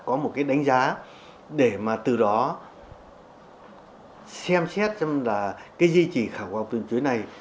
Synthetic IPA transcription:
kɔ˨˦mo˨˩t̚kaː˨˦jɗa˨˦jŋ̟zaː˨˦ | ɗe˧˩maː˨˩t̪ɨ˨˩ɗɔ˨˦ | sɛ˧msɛ˦˥t̚t͡ɕɔ˧wŋ͡mlaː˨˩kaː˨˦jzi˧t͡ɕi˨˩xaː˧˩wkwaː˧˩ŋ͡mt̪ɨ˨˩ŋt͡ɕwi˨˦jna˨˩j

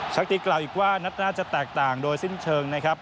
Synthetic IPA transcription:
t͡ɕʰa˦˥k̚t̪iː˧˩klaː˨˩wʔiː˨˩k̚waː˥˩na˦˥t̪̚naː˥˩t͡ɕa˨˩t̪ɛː˨˩k̚t̪aː˨˩ŋdoː˧jsi˥˩nt͡ɕʰɤː˧ŋna˦˥kʰɾa˦˥p̚

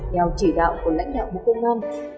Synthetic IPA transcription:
ɲa˨˩wt͡ɕi˧˩ɗa̰ː˧˨wku˧˩əla̰˧˥jŋ̟ɗa̰ː˧˨wɓṵ˨˧˩kə˧wŋ͡mʔaː˧n

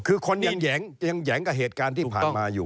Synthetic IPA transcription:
kʰɯː˧kʰo˧nja˧ŋjɛː˩˦ŋja˧ŋjɛː˩˦ŋka˨˩ɦeː˨˩t̪̚kaː˧nt̪ʰiː˥˨pʰaː˨˩˧maː˧juː˨˩

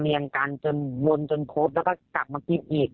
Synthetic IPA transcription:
miː˧ʔa˧ŋkaː˧nt͡ɕo˧nwo˧nt͡ɕo˧nkʰoː˦˥p̚lɛ˦˥kɔː˥˩ka˨˩p̚maː˧ki˧˩n̚ʔiː˨˩k̚

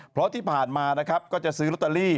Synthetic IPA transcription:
pʰɾɔ˦˥t̪ʰiː˥˩pʰaː˨˩nmaː˧na˦˥kʰɾa˦˥p̚kɔː˥˩t͡ɕa˨˩ʔsɯː˦˥lo˦˥t̪ːe˧liː˥˩

